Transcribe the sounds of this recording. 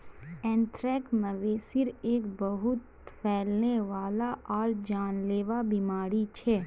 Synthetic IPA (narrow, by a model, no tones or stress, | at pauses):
ɛ̃ːnʈɾɛːkməʋeːsɪɾeːkbəɦʊt̪ | fɛːlneʋaːlaʔɔːɾd͡ʒaːnleːʋabimaːɾit͡ʃʰɛː